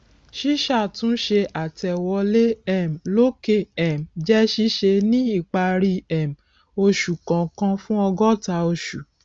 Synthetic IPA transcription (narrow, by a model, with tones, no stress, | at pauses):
ʃi˦ʃa˦˨tũ˦ʃe˧a˨tɛ˨wɔ˧le˦ɛ˦˨m̩˨lo˦ke˦˨ɛ˨m̩˨d͡ʒɛ˦ʃi˦ʃe˧nĩ˦i˦˨k͡pa˧ɾi˧ɛ˨m̩˨ | o˧ʃu˨kã˨kã˧fũ˦ɔ˧ɡɔ˦ta˧o˧ʃu˨